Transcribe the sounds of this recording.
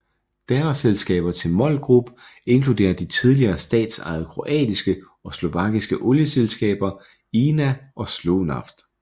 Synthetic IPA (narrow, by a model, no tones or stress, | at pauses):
d̥ænɐselsɡ̥ɛ̰ːb̥ɐt͡sʰe̝lmɒ̽lɡ̥ʁub̥əe̝nkʰlud̥e̝̰ːɐd̥it͡sʰið̞ˠliɐːsd̥ɛ̰ːd̥sɑ̰̈ɪð̩ˠkʰʁo̝ʔɛ̰ːd̥isɡ̥ə | ɒ̽slo̝ʋɑ̈ɡ̥isɡ̥əʔɔ̽ljəselsɡ̥ɛ̰ːb̥ɐ | iːnæʔɒ̽slonɑ̈fd̥